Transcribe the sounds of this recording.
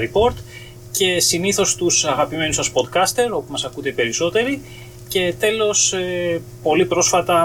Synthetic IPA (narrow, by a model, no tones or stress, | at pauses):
ɾipo̞ɾt̪ | ce̞siniθo̞st̪usɐɣɐpime̞nusɐspo̞d̪kɐst̪e̞ɾo̞pumɐsɐkut̪epe̞ɾiso̞t̪e̞ɾi | ce̞t̪e̞lo̞se | po̞lipɾo̞sfɐt̪ɐ